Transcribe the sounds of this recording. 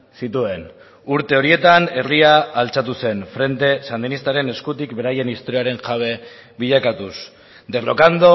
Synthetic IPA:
sit̪ue̞n | uɾt̪e̞o̞ɾie̞t̪ane̞riaːlt͡sat̪use̞nfɾe̞nt̪e̞sand̪inist̪aɾe̞ne̞skut̪ikbe̞ɾaje̞nist̪oɾiaɾe̞ŋʝaβ̞e̞ | βiʎakat̪us | d̪e̞lokand̪o̞

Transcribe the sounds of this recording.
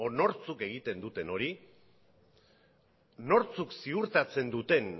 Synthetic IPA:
ono̞ɾt͡suke̞ɣ̞it̪e̞nd̪ut̪e̞no̞ɾi | no̞ɾt͡suksiuɾt̪at͡se̞nd̪ut̪e̞n

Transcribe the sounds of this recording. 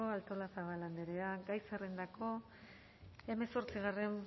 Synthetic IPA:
oalt̪o̞lasaβaland̪eɾeaɡajsere̞nd̪ako̞ | e̞me̞so̞ɾt͡siɣ̞are̞m

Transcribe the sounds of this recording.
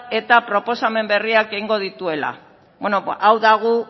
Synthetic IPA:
e̞t̪apɾo̞po̞same̞mbe̞riake̞iŋɡo̞ð̞it̪ue̞la̰ | benoʔawðaɣ̞u

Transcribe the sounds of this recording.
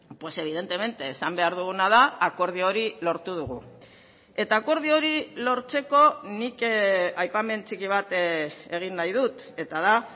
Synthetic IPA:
pwe̞se̞β̞iðe̞nt̪e̞me̞nt̪eːsambe̞aɾðuɣ̞unað̞aːko̞ɾðio̞ɾilo̞ɾt̪uðuɣ̞u | e̞t̪aːko̞ɾð̞io̞ɾilo̞ɾt͡se̞ko̞nikajpame̞nt͡sikiβ̞at̪e̞ɣ̞inːajðut̪ | e̞t̪aða

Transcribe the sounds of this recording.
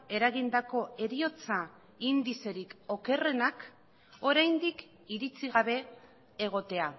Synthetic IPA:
e̞ɾaɣind̪ako̞e̞ɾio̞t͡sa | ind̪ise̞ɾiko̞ke̞re̞nak | o̞ɾajnd̪ik | iɾit͡siɣaβe̞ː | ɣ̞o̞t̪e̞a

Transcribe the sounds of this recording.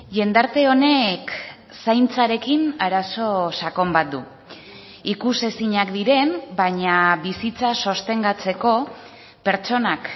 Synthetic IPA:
ʝe̞nd̪aɾt̪e̞o̞ne̞k | sajnt͡saɾe̞kinaɾaso̞sako̞mbat̪̚d̪u | ikuse̞siɲakd̪iɾe̞mbaɲaβisit͡saso̞st̪e̞ŋɡat͡se̞ko̞ | pe̞ɾt͡ʃo̞nak

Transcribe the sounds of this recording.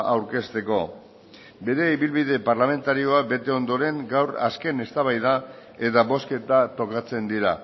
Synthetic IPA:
awɾke̞st̪e̞ko̞ | be̞ɾe̞iβilβiðe̞paɾrlame̞nt̪aɾio̞abe̞t̪e̞o̞nd̪o̞ɾe̞ŋɡawɾa̰ske̞ne̞st̪aβ̞ajð̞ae̞t̪aβo̞ske̞t̪at̪o̞kat͡se̞nd̪iɾa

